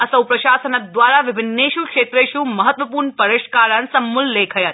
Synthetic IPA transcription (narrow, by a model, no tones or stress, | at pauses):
asəwpɾəʃasənad̪ʋaɾaʋɪbʱɪnːeʃukʃet̪ɾeʃũməɦət̪ʋəpuːɾɳpəɾɪʃkaɾənsəmːulːekʰəjət̪